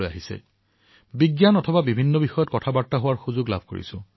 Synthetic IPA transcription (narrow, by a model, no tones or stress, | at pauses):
ojaɦisɛ̰ | biɡjanɔtʰɔbabibʱinːɔbixɔjɔt̚kɔtʰabaɹtːaɦʊwaɹxuzʊɡla̰bʱko̰ɹḭsʊ̃